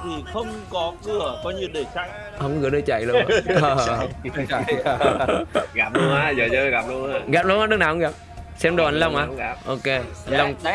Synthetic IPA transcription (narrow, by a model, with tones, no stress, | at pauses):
t̪ʰi˨˩xə˧wŋ͡mkɔ˨˦kɨ˨˩əkɔ˨˦ɲɨ˧wɗe˧˩sa˧j̚ | hə˧˩ŋ͡mɣɨ˨˩˦ɗəː˧˩t͡ɕa̰˧˨jlu˧˦˧ə˨˩˧ | ɣaː˨˩p̚lu˧əŋaː˨˧˦zəː˨˩zəː˧˦ɣaː˨˩p̚lu˧əŋa˨˧˦ɣaː˨˩p̚lu˧˦ŋʔaː˦ɗɨ˧˦˥knaː˨˩hə˧˦ŋɣaː˨˩p̚ | sɛ˧mɗo˨˩ʔə˨nlə˧wŋ͡mʔaː˨˦˨ʔo˧˩ke˧ə˨˩nlə˧wŋ͡m